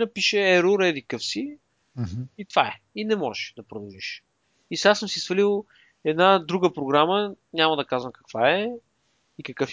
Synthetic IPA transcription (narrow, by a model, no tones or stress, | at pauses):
nɐpiʃɛɛɾuɾɛd̪ikəfsi | it̪vaɛ | inɛmɔʒɛd̪ɐpɾod̪əviʃ | isasɤmsisvɐlilˠ | ɛd̪nad̪ɾuɡəpɾoɡɾamə | ɲʲaməd̪ɐkazvəmkɐkvaɛ | ikɐkɤf